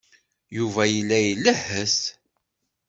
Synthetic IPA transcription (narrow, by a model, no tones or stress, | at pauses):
juvæjəlːæjəlːəhəs